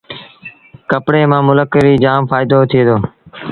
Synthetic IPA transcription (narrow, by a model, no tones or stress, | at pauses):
kəpɽeːmãːmʊləkəɾiːd͡ʒaːmfaːɪd̪oːt̪ʰɪeːd̪oː